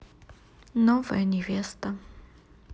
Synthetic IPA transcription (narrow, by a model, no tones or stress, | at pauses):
nɔvɛ̰nʲɛvʲɛst̪ɐ